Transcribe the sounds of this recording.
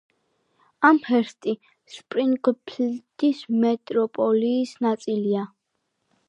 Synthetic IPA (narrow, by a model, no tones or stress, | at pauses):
amhɛɾst̪ʼi | spʼɾiŋɡpʰld̪ismɛt̪ʼɾɔpʼɔliːsnat̪sʼilia